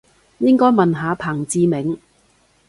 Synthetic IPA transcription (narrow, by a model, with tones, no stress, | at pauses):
jɪ˥ŋkɔː˥jmɐ˨nɦaː˨˧pʰaː˨˩ŋt͡siː˧mɪ˨˥ŋ